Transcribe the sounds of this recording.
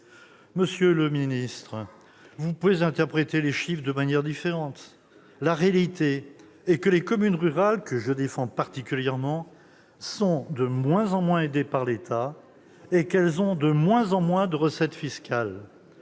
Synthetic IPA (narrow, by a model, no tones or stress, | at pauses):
məsjøləminist̪χ | vupuvezɛ̃t̪ɛʁpχet̪eleʃifd̪əmanjɛʁd̪ifeʁɑ̃t̪ | laʁealit̪eː | kəlekɔmynʁyʁalkəʒəd̪efɑ̃paʁt̪ikʲyljɛʁmɑ̃ | sɔ̃d̪əmwɛ̃zɑ̃mwɛ̃ed̪epaʁlet̪ʰa | ekɛlzɔ̃d̪əmwɛ̃zɑ̃mwɛ̃d̪əʁəsɛt̪fiskʲʰal